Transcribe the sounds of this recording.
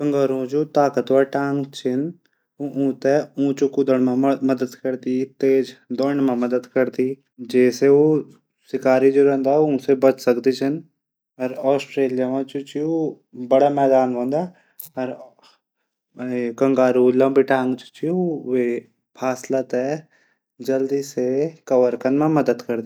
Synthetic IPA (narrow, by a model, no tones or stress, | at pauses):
kə̃ŋɡaːɾũd͡ʒot̪aːkət̪ʋaʈãːŋɡt͡ʃʰɪn | uʔũːt̪ɛũːt͡ʃukʊd̪əɽmãmɐd̪əd̪kɐɾt̪it̪eːd͡ʒd̪ɔːɳmãmɐd̪əd̪kɐɾt̪i | d͡ʒɛːseo | sɪkaːɾid͡ʒoːɾɛ̃ːnd̪aũːsebɐt͡ʃʰsɐkd̪it͡ʃʰɐn | ɐɾɔːsʈɾeːlijamãt͡ʃut͡ʃio | bɐɽamɛːd̪aːnɦõːnd̪aː | ɐɾ | kɐ̃ŋɡaːɾulɐ̃mbɪʈãːŋɡt͡ʃu̥t͡ʃioʋe | pʰaːslat̪ɛ | d͡ʒɐld̪iːsekɐʋəɾkənmãmɐd̪əd̪kɐɾd̪i